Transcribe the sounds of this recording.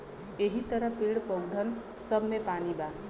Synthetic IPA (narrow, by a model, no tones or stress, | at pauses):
eɦit̪ʌɾʌpeɽpʌwd̪ʱʌn | sʌbʱmepaniba